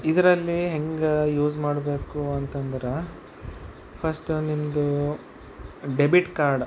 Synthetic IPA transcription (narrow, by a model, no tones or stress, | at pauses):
id̪ɐɾɐlːiɦeŋɡejuːd͡ʒmaːɽbe̞ːkuɐnt̪ɐnd̪ɐɾe | pʰɐsʈunimɐd̪u | ɖebiʈkaːɾɖ